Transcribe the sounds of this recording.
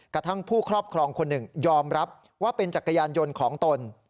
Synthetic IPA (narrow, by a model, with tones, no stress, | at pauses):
ka˧t̪ʰa˥˩ŋpʰuː˥˩kʰɾɔː˥˩p̚kʰɾɔː˧ŋkʰo˧nːɯ˨˩ŋjɔː˧mɾa˦˥p̚ | waː˥˩pe˧nt͡ɕa˨t̪̚ka˧jaː˧njo˧nkʰɔː˩˦ŋt̪o˧n